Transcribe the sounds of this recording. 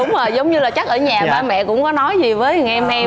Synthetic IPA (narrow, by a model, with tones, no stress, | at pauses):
ʊ˨˦ŋ͡mʔəː˨˩zə˨˦wŋ͡mɲɨ˧laː˨˩t͡ɕa˦˥k̚ʔəː˧˩ɲaː˨˩ɓaː˧˩mɛ̰˧˨kʊ̰˧˥ŋ͡mkɔ˨˦nɔ˨˦jzi˨˩vəː˨˦jŋʔɛ˧mhɛ˧